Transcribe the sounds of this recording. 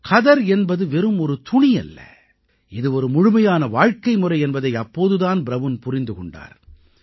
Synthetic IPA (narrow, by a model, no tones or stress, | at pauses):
kʰɐðɐɾɛnbɐðɯʋɛɾɯmɔɾɯt̪ʊɳɪjɐ̰lːɐ̰ | ɪðɯɔɾɯmʊɻɯmɐjaːnɐʋaːɻkɐɪmɯrɐɪɛnbɐðɐɪɐpːoːðɯðaːnbɪɾɐʋɯnpʊɾɪnd̪ɯkɔɳɖa̰ːɾ